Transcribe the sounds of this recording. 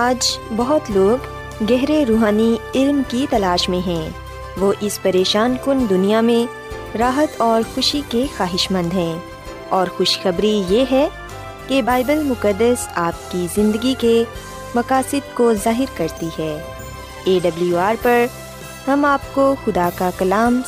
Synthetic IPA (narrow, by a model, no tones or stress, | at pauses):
aːd͡ʒbɐɦʊt̪loːɡː | ɛɦɾeɾuːɦaːniɪlmkit̪ɐlaːʃmẽɦɛ̃ː | ʋoʔɪspɐɾeːʃaːnkʊnd̪ʊnijamẽ | ɾaːɦət̪ɔːɾxʊʃikexaːɦɪʃmə̃nd̪ʱɦɛ̃ː | ɔːɾxʊʃxɐbɾijeɦɛ | kebaːɪbəlmʊkəd̪ːəsaːp̚kizɪ̃nd̪əɡike | mɐkaːsɪd̪̚kozaːɦɪɾkɐɾt̪iɦɛː | eːɖɐbluuaːɾpɐɾ | hɐmaːp̚koxʊd̪akakɐlaːm